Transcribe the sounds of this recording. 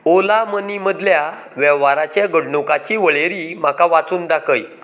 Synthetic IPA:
olaməniməd̪lja | ʋɛʋːaɾat͡ɕjaɡəɽɳukat͡ɕiʋəɭeɾim̤akaʋat͡suːnd̪akəj

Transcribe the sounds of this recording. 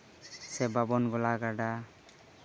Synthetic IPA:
sɛbabɔnɡɔlaɡaɖa

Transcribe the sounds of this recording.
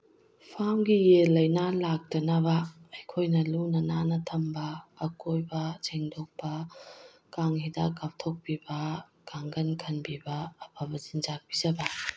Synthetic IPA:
pʰamɡijelɐjnalak̚tɐnɐbɐːjkʰojnɐlunɐnanɐtʰɐmbɐːkojbɐd͡ʒʰeŋdok̚pɐ | kaŋhidakap̚tʰok̚bibɐ | kaŋɡɐnkʰɐnbibɐːpʰabɐzinzak̚bizɐbɐ

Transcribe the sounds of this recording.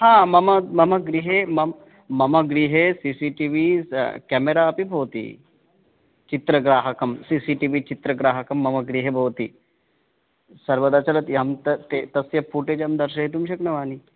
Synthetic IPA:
ɦãmɐməmɐməɡɾiɦemɐm | mɐməɡɾiɦesisiʈiʋikɛmeɾaːpibʱowt̪ḭː | t͡ʃit̪ɾəɡɾaːɦəkəmsisiʈiʋit͡ɕit̪ɾəɡɾaɦəkɐmːɐməɡɾiɦebʱowt̪ḭː | sɐɾʋəd̪at͡ʃɐlət̪jamt̪ət̪et̪ɐsjɐfuʈed͡ʒamd̪əɾɕɐɦet̪̬umɕəknɐʋani

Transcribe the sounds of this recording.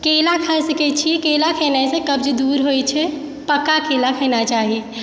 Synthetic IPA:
kelakʰəsəkɛt͡ʃʰikelakʰenasẽkəb̚d͡ʒed̪uɾɦojt͡ʃʰɛ | pəkakelakʰənat͡ʃaɦi

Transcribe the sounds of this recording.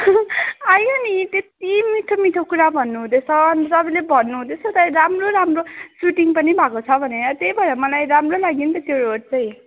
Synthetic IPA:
ajonit̪et̪imiʈʰomiʈʰokuɾabʱʌnːuɦũd̪et͡sʰʌntʌbĩlebʱʌnːuɦud̪et͡sʰʌt̪ajɾamroɾamrosuʈiŋpʌnibʱakot͡sʰʌbʱʌnenʌt̪ejbʱʌɾʌmʌlajɾamrolaɡint̪ʌt̪joɾoɖ̚t͡saj̃

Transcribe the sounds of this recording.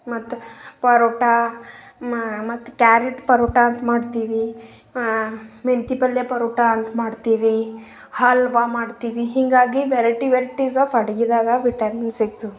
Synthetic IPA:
mɐt̪ːupɐɾoʈa | mɐt̪ːu̥kaːɾiʈpɐɾuːʈaːnt̪maːɖt̪iːʋi | ment̪ipɐljepɐɾuːʈaɐnt̪maːɖt̪iːʋi | hɐlʋamaːɖt̪iːʋiɦiŋɡaːɡiʋeɾɐʈiʋeɾiʈisafɐɽɡid̪aːɡɐʋiʈɐɾminsiɡ̚t̪u

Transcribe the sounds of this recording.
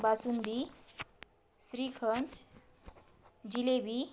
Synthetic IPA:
basund̪i | sɾikʰʌnt͡ʃ | d͡ʑilebʱi

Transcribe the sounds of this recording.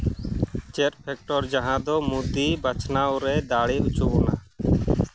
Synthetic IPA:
t͡ʃeʈpʰɛk̚ʈɔɾd͡ʒaɦãd̪ɔmud̪ibat͡ʃʰnawɾɛd̪aɽeut͡ʃɔbɔna̰

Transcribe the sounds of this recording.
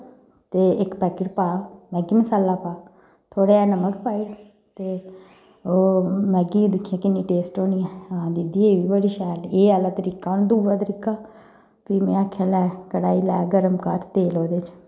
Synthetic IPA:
t̪eːɪkpɛːkɪʈpaːmɛ̃ːɡiːməsaːlːaːpaː | t̪ʰoːɽeːɛːnəməkpaːiɽ | t̪eː | oːmɛ̃ːɡiːd̪ɪkʰːjãːkɪnːĩːʈeːsʈoːniːɛːãd̪id̪iːeːʋiːbəɽiːʃɛːleːaːlaːt̪əɾiːkːaːʊnd̪uːʋaːt̪əɾiːkaː | pimɛ̃ːakʰːɛːlɛːkəɽaːiːlɛːɡəɾəmkəɾt̪eːloːd̪eːt͡ʃ

